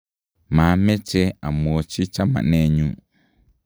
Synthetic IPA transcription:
mãː˨˦mɪ̃˦t͡ɕʰɛ˦a˨mũ˨ɔ˨t͡ɕʰi˦t͡ɕʰa˦mã̰˨nɛ̃˦˨ɲũ˦

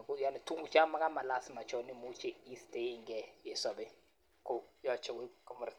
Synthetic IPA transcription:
ku˦ja˦˨ni˨tʰu˦ŋɡu˨t͡ʃa˦ma˦k̬a˦ma˨la˦si˨ma˨t͡ʃʰɔ˦ni˦mu˦t͡ʃʰɛ˦i˦ste˦ŋɡɛ˦jɛ˨sa˨ɓɛ˨ | kɔ˦jɔ˦t͡ʃʰɛ˨ki˦kɔ˦mɔ˦ɾi˨

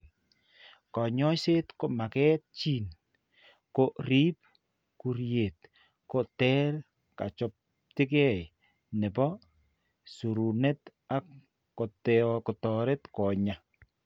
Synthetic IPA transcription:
kɔ˨ɲɔ˦se˦tko˨ma˨kɛː˦t̚t͡ʃi˦n | ko˦˨ɾiː˦p̚ | ku˨ɾje˨t | ko˨tɛ˦r | ka̰˨t͡ʃɔ˦p̚ | tɪ˦kɛ˦˨j | nɛ˨pɔ˦ | su˨ɾu˨ne˦ta˦kː | o˨tɛkɔ˨tɔ˨ɾe˦tkɔ˨ɲa˨

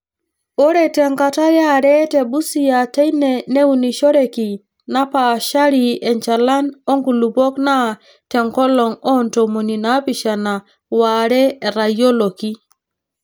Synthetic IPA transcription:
o˦ɾe˨te˨ŋka˨ta˦ja˦ɾɛ˦te˨ɓu˦si˨ja˨te˦jne˨ne˦wu˨ni˨ʃo˦ɾe˨ki˨ | na˦pa˨ʃa˦ɾie˨nt͡ʃa˨la˦no˦ŋku˨lu˨bo˦kna˦ | te˨ŋkɔ˦lo˨ŋɔ˦nto˨mo˨ni˨na˦pi˨ʃa˨na˨ | wa˨ɾɛː˦˨ɾa˨jo˦lo˨ki˦

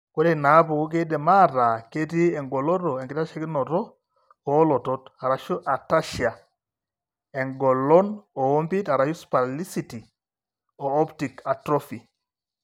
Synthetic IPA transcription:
ko˦dɛ˨na˨˦pu˨ko˦k̬e˦dɛ˨ma˦˨ta˨ke˦ti˦ɛ˨ŋɡɔ˨lɔ˦tɔ˨ɛ˨ŋɡi˨ta˦ʃa˦ki˦nɔ˨tɔ˦ | ɔ˨˦lɔ˨tɔ˦ta˨ɾa˨ʃɔ˦ʔa˨ta˦ʃia˨ | ɛ˨ŋɡɔ˨lɔ˦nɔ˨o˦mbi˦ta˨ɾa˨ʃu˦spa˨li˦si˨ti˨ | ɔ˨ɔ˦pti˨ka˨tɾɔ˦fi˨

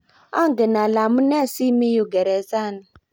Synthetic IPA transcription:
a˦ŋɡɛ˨na˨la˨mu˦nɛ˦˨si˦mi˦ju˨ɡɛ˨ɾɛ˨sa˦˨na˨

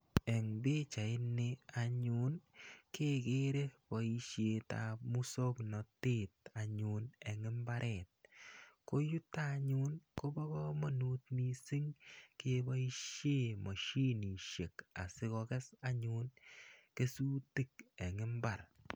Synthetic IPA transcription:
ɛ˨ŋbe˦t͡ʃa˨ɪ˦nɪ˦a˨ɲu˦nke˦ke˦ɾe˦pɔ˨i˧ʃje˧ta̰mu˦so˦knɔ˨te˦ta˨ɲu˧nɛ˨ŋɪ˦mba˦ɾʔɛ˨t̚ko˦ju˦taɲu˦nko˦bɔ˦kɔ˦mɔ˨nu˦t̚mi˦si˦ŋke˦bɔ˦i˦ʃje˦ma˨ʃi˦ni˨ʃe˨ka˨sɪ˦kɔ˧kɛ˦sa˦ɲu˧nke˦su˦ti˦kɛ˨ŋɪ˦mba˨ɾ

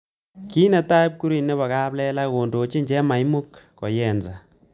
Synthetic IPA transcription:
ki˦nɛ˨ta˦p̚ku˦ɾi˨nːɛ˦βa˨ka˦plɛ˦la˦ko˨ndo˨t͡ʃi˦ɲd͡ʒɛ˦ma˨jmu˦kːɔ̰˨jɛ˨nza˨

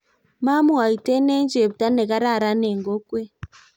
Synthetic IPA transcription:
ma˦mu˦a˨i˨te˦ne˦ɲd͡ʒe˨βu˨ta˦ne˨ɣa˦ɾa˦˨ɾa˦ne˨ŋɡo˦kwe˦

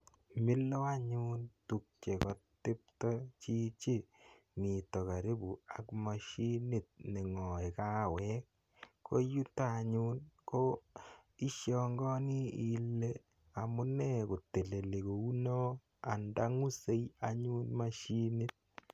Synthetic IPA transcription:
mɪ˦lɔ˦a˦ɲu˦ntu˨k̚t͡ʃe˨kɔ˦ttːe˦p̚tɔ˦t͡ʃi˦t͡ʃe˦ | mi˨tɔ˨ka˨ɾe˦bu˨a˦kma˨ʃi˦nɪ˦t̚ne˨ŋɔ˨e˨ka˦˨wɛ˦k̚ː | o̰˦ju˦taː˦˨ɲu˦nko˦ | i˦ʃjɔ˨ŋɡɔ˦ni˦i˨le˦ | a˨mʊ˦nɛ˦ko˨te˨le˨le˨ko˨u˦nɔ˦ | a̰˨nda˦ŋu˦se˦ja˦ɲu˦nma˦ʃi˦ni˦t̚

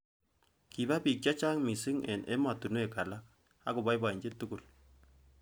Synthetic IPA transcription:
ki˨ba˦pi˨k̚t͡ʃa˦t͡ʃa˦ŋmi˨sɪ˦ŋɛ̰˨nʔɛ̰˦ma˨tu˨nu˦ɛ˨ka˨la˦k̚ | a˦kʊ˨ba˦jba˨i˨ɲd͡ʒɪ˦tʊ˦kʊ˨l

